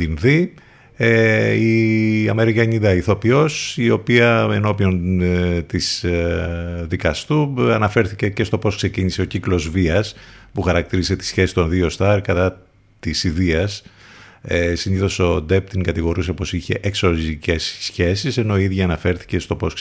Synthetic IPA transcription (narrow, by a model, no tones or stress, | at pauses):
inði | eiɐme̞ɾikɐɲid̪ɐiθo̞pio̞sio̞piɐe̞no̞pio̞nt̪is | ðikɐst̪uɐnɐfe̞ɾθice̞ce̞st̪o̞po̞skse̞ciɲise̞o̞ciklo̞zviɐspuxɐɾɐk̚t̪iɾise̞t̪i̥sçe̞si̥st̪o̞nðio̞st̪ɐɾkɐt̪ɐ | t̪isiðiɐs | esiniθo̞so̞d̪ep̚t̪iŋkɐt̪iɣo̞ɾuse̞po̞siçe̞̰ʔekso̞zice̞sːçe̞sise̞no̞iiðʝɐːnɐfe̞ɾθi̥ce̞st̪o̞po̞s